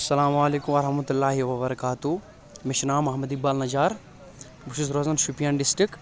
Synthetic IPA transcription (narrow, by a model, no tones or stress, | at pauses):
ɐsɐlaːmaːleːkumɐɾɐhmɐt̪ulːaːɦiʋɐβɐɾɐkaːt̪u | miʃnaːmɐɦmɐd̪ibaːlnɐd͡ʒaːɾ | buʃusɾozɐnʃupijaːnɖɪsʈɾik